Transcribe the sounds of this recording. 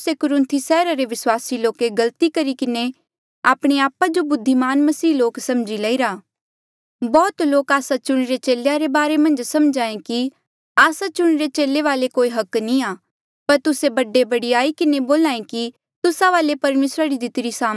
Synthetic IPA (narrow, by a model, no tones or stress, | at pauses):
sekʊɾʊ̃nt̪ʰisɛːɾaɾeʋɪswaːsiloːkeɡɐlt̪ikɐɾikɪne | aːpɽ̃eaːpad͡ʒobʊd̪ʱːimaːnmɐsiːloːksɐmd͡ʒilɐiɾaː | bɔːt̪loːkaːsat͡ʃʊɽ̃ɾet͡ʃeːlejaɾebaːɾemɐ̃nd͡ʒsɐ̃md͡ʒãːẽki | aːsat͡ʃʊɽ̃ɾet͡ʃeːleʋaːlekoːiɦɐknĩaː | pɐɾt̪ʊsebɐɖːebɐɽiaːikɪneboːlãːẽki | t̪ʊsaʋaːlepɐɾmeːsɾaɾid̪ɪt̪ɪɾisaː